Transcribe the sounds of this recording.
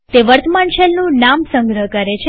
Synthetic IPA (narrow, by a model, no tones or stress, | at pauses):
t̪eʋəɾt̪ʰmaɳʃelnũnamsə̃ŋɡɾəɦkəɾet͡ʃʰe